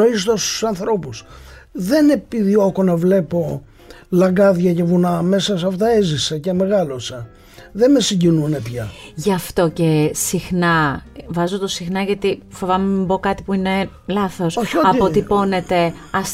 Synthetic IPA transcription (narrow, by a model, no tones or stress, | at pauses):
oist̪ost̪u̥sɐnθɾo̞pusðe̞nepiðio̞konɐvle̞po̞ | lɐŋɡɐðʝɐcevunɐme̞sɐsɐft̪ɐezisɐceme̞ɣɐlosɐ | ðemesiɲɟinune̞pçɐʝɐft̪o̞ce̞sixnɐvɐzot̪osixnɐʝɐt̪ifovɐmebo̞kɐt̪ipuine̞ | lɐθo̞soɐppot̪ipo̞ne̞t̪e̞ɐs